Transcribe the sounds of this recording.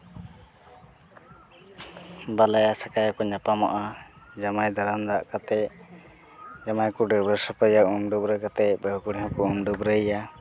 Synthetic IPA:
balajasakajakɔɲapama̰ʔa | d͡ʒamajd̪aɾand̪aʔkat̪ɛ | d͡ʒamajkuɖəbɾəsəpəjaumɖubɾəkat̪ɛbəɦkuɽiɦɔ̃kɔumɖəbɾəjja

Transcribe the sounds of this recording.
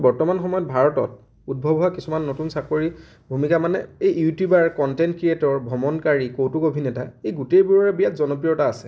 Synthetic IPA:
bɔɹtɔmanxɔmɔjɔt̚bʱaɹɔtɔ̰t̚ | ud̚bʱɔbɔwakisumanːotunsakoɹi | bʱumikamanɛ̰ejjutjubaɹkɔntɛnt̚kɹietɔɹbʱɔmɔnkaɹikowtukobʱinɛtaejɡutejbuɹaɹɛbijatzɔnɔpɹijɔtaːsɛ

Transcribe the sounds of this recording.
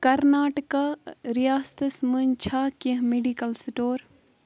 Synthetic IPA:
kɐɾnaːʈəkaɾijaːst̪ɐsmənt͡ʃʰaːkiɦmeɖikɐlsʈoːɾ

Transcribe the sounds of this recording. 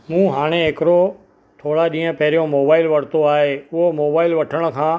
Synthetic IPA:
mũːɦaːɽ̃eeːkɾo | t̪ʰoːɽaɗĩːə̃pɛɦɾjõmoːbaːɪlʋəɽ̤t̪oaːɦeʊɦomoːbaːɪlʋəʈʰəɽ̃kʰãː

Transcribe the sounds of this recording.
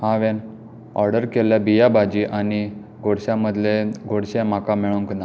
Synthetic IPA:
hãʋen | ɔ̰ɾɖəɾkeljabijabʱad͡ʑiːʔani | ɡʱoɽɕãməd̪ʱleɡʱoɽɕẽmakameɭuŋkna

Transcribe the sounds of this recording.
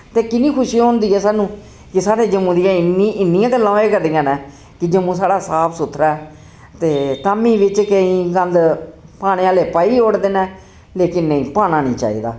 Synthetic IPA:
t̪eːkɪnĩːkʰʊʃiːõːnd̪iːɛːsaːnũː | kɪsaːɽeːd͡ʒəmũːd̪iːjãːɪniɪnːijãːkəlːãːeːkəɾd̪ijãːnɛ̃ː | kɪd͡ʒəmũːsaːɽaːsaːpʰsʊt̪ʰːɾaːɛ | t̪eːt̪aːmĩːʋɪt͡ʃkəĩːkə̃nd̪paːɽ̃ẽːaːleːpaːiːoːɽd̪eːnɛː | leːkɪnːəĩːpaːñaːnḭ̃ːt͡ʃa̰ːḭːd̪a̰ː

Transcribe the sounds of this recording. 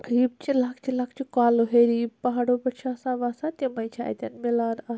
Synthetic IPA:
ɾiːb̚t͡ʃilaːkʰt͡ʃʰilaːkʰt͡ʃʰikaːloɦeːɾiːpɐɦaːɽobɐʈt͡ʃʰaːsaːʋaːsat̪emɐjt͡ʃʰa̰ːjt̪ʲɐnmilaːna

